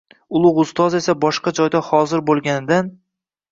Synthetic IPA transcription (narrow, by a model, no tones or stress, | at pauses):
ʊlˠʊʁʊst̪ɒze̞sabɒʃqɑd͡ʒɒjd̪ahɒzɪɾbolˠɡʲanɪd̪an